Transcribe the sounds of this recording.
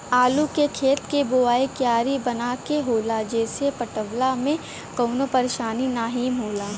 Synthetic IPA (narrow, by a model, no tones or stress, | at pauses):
aːlukekʰeːt̪keboaːekjaːɾibɐnaːkeɦoːlad͡ʒɛːsepəʈəʋlamẽ | kɔːnopɐɾeːʃaːninaːɦimɦoːlaː